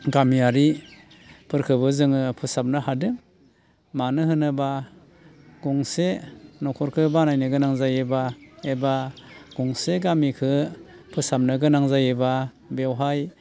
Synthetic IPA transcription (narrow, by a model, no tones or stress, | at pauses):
ɡamiaɾi | pʰɯɾkʰɯbɯzɯŋɯpʰɯsap̚nɯhadɯŋ | manɯɦɯnɯba | ɡɔŋsenɔkʰɔɾkʰɯbanajnɯɡɯnaŋzajɯbaebaɡ̥ɔŋseɡamikʰɯ | pʰɯsap̚nɯɡɯnaŋzajɯba | bewɦaj